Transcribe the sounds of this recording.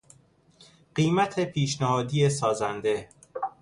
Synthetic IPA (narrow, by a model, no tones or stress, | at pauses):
ɢ̥iːmæt̪ʰe̞pʰiːʃnæhɒːd̪ijesɒːzænd̪e̞